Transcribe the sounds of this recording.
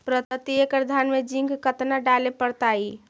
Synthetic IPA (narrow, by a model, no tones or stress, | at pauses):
pɾət̪ət̪iekɾəd̪ʱanmed͡ʒĩŋɡkət̪naɖalepəɾt̪ai